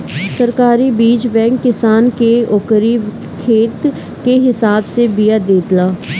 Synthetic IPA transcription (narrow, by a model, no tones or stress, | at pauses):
səɾkaːɾibiːd͡ʒbɛ̃ːŋkːɪsaːnkeokəɾi | kʰeːt̪ | keɦɪsaːbsebijad̪eːd̪laː